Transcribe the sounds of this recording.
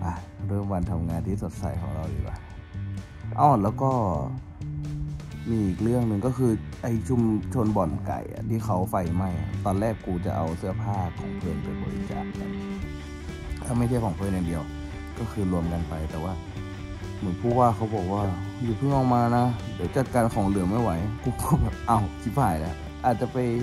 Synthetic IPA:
ʔa˧˩ | ɾɤː˥˩mwa˧nt̪ʰa˧mŋaː˧nt̪ʰiː˥˩so˨˩˦t̪̚sa̰˧˩jkʰɔ̰˨˩˦ŋɾa˧wliː˧˩wa̰ː˧˩ | ʔaː˧˩lɛː˦˥wkɔː˥˩ | miː˧ʔiː˨˩k̚lɯ˥˩əŋnɯ˧ŋkɔː˥˩kʰɯː˧ʔa˧jt͡ɕʰu˧˨mt͡ɕʰo˧nbɔ˨˩nka̰˨˩jʔa̰˨˩t̪ʰiː˧˩xʰa˦˥wfa˧jma˧˩ja̰˨˧t̪ɔː˧nlɛː˥˩kːuː˧t͡ɕa̰˨˩ʔa˧wsɯ˥˩ɐpʰaː˥˩kʰɔ̰ː˨˩˦ŋpʰɯ˧˩˨nt̪a̰˧˩bɔ̰ː˧ɾḭ˧˩t͡ɕa̰ː˨˩k̚ːa̰˨˧˩n | lɛː˧˩ma˥˩jt͡ɕʰa˥˩jkʰɔː˨˩˦ŋpʰːna˧ndi˧əw | kɔː˥˩kʰɯː˧lu˧əmka˧npa˧jt̪ɛː˨˩waː˥˩ | mɯ˩˦npʰuː˧˥˩k̚waː˥˩kʰa˦˥wbɔː˨˩k̚waː˧˥˩juː˨˩p̪ʰɯː˥˩nɔː˧˩ŋmaː˧na˦˧˥dɯː˨˦jt͡ɕa˨˩t̪̚kaː˧nkʰɔː˩˦ŋlɯ˨˩əŋma˥˩jwa˨˦jkuː˧˩kʰɔː˥˩bɛː˨˩p̚ʔa˧˩wt̪ʰi˧˦˥faː˨˩jlɛ̰˦˥ʔ | ʔaː˨˩t̪̚t͡ɕa˨˩pa˧j

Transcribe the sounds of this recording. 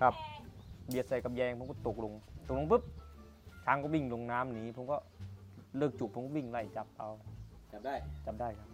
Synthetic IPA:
kʰa˧˩p̚bi˧˩ət̪̚sa˧˩jka˧˩p̚jɛː˧ŋkʰpo˧˦mkɔ˧˩t̪o˨˩k̚lo˧ŋt̪o˨˩k̚lo˧ŋp̬ɯ˦˥˩p̚ | tʰaː˧˥ŋkɔ˧˩wi˧˩ŋlo˧ŋnaː˦˥mniː˨˧˦pʰo˧˦mkɔː˧˩lɤː˧˩k̚t͡ɕu˨˩k̚ʰːo˧˦kɔː˧˥˩wi˧˥˩ŋla˧˩jt͡ɕa˧˩p̚ʔa˧w | t͡ɕa˨˧˩p̚daː˧˥˩jkʰa˧˥p̚

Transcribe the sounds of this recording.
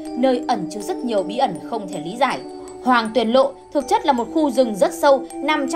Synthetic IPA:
nəː˧jʔə˧˩nt͡ɕɨ˦˥k̚z̥ə˦˥t̚ɲi˨˩əwɓḭ˧˥ʔə˧˩nxə˧wŋ͡mt̪ʰe˧˩li˨˦zaː˧˩j | hwaː˨˩ŋt̪wi˨˩ənlo̰˧˨t̪ʰɨ˨˩ək̚t͡ɕə˦˥t̚laː˨˩mo˨˩t̚xu˧zɨ˨˩ŋzə˦˥t̚sə˧wna˨˩mt͡ɕ

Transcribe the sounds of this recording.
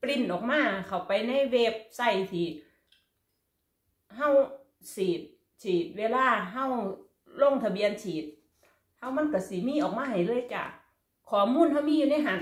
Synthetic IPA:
pli˧˩nʔɔː˨˩k̚maː˧˥˨kʰa˨˩wpa˨jna˧˥˨jweː˧p̚sa˧˩jt̪ʰiː˨˧˩t̚ | ɦa˧˥˨w | siː˨˩t̪̚ | t͡ɕʰiː˨˩t̪̚weː˧˨laː˧˥˨ɦa˧˥˩w | lo˧˥˨ŋt̪ʰa˧bi˧˨ənt͡ɕʰiː˨˩t̪̚ | ha˧˥˩wma˧˥˨nka˧˩si˧˦miː˧˥˨ʔɔː˨˩k̚maː˧˥˨ɦa˨˩jlɤː˧˥˨jt͡ɕa̰ː˧˩ | kʰɔː˨˩muː˧˥˨nɦa˧˩wmiː˧˥˨juː˧na˧˥˩ɦa˧˩n

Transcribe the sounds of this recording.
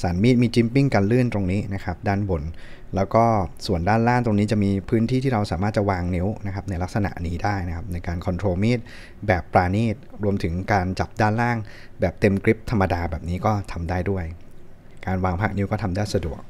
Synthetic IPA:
saː˩˦nmiː˥˩t̪̚miː˧t͡ɕi˦˥mpi˥˩ŋka˧nlɯ˥˩ənt̪ɾo˧ŋniː˦˥na˦˥kʰa˦˥p̚daː˥˩nbo˨˩˦n | lɛː˦˥wkɔː˥˩su˨˩əndaː˥˩nlaː˥˩ŋt̪ɾo˧ŋniː˦˥t͡ɕa˨˩miː˧pʰɯː˦˥nt̪ʰiː˥˩t̪ʰiː˥˩ɾa˧wsa̰ː˩˦maː˥˩t̪̚t͡ɕa˨˩waː˧ŋni˦˥wna˦˥kʰa˦˥p̚na˧jla˦˥k̚sa˧na̰˨˩ʔniː˦˥daː˥˩jna˦˥kʰa˦˥p̚na˧jkaː˧nkʰɔ˧nt̪ʰɾoː˧miː˥˩t̪̚ | bɛː˨˩pːɾaː˧niː˥˩t̪̚ɾu˧əmt̪ʰɯ˩˦ŋkaː˧nt͡ɕa˨˩p̚daː˥˩nlaː˥˩ŋ | bɛː˨˩p̚t̪e˧mkɾi˦˥p̚t̪ʰa˧mːa˧daː˧bɛː˨˩p̚niː˦˥kɔː˥˩t̪ʰa˧mdaː˥˩jdu˥˩əj | kaː˧nwaː˧ŋpʰa˦˥k̚ni˦˥wkɔː˥˩t̪ʰa˧mdaː˥˩jsa˧du˨˩ək̚

